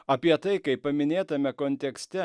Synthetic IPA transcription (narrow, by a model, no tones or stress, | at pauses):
ɐpʲiɛt̪ɐɪkɐɪppːɐmʲɪnʲeːt̪ɐmʲɛkoːnʲt̪ʲɛksʲt̪ʲɛ